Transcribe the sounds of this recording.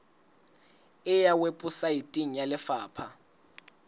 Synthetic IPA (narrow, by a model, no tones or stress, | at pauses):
ɪjawepʼusaitʼiŋ̩jalɪfaːpʰa